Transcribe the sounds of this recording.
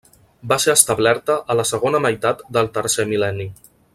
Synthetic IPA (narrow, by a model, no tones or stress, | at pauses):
baseəst̪əβlɛɾt̪əʔələsəɣ̞onəməjt̪at̪d̪əlˠt̪əɾsemilɛni